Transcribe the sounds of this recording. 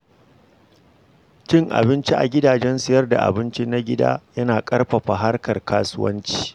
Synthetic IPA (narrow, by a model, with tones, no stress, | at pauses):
t͡ʃɪ˦ŋʔa̰˨bɪ˦nt͡ʃi˦ʔa̰˨ɡʲɪ˦daː˨d͡ʒɛ˦nsɪ˨jɐ˦rda̰˨ʔa̰˨bɪ˦nt͡ʃi˦na˦ɡʲɪ˦da̰ː˦jɐ˦naː˨kʼɐ˦rɸɐ˨ɸa˨ɦa˦rkɐ˨rkaː˦sʊ˦wɐ̰˦nt͡ʃi̥ː˨